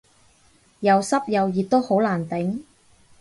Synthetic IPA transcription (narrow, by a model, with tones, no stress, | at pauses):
jɐ˨˧wsɐ˥p̚jɐ˨˧wjiː˨t̚t̪o˥who˨˥wlaː˨˩nt̪ɪ˨˥ŋ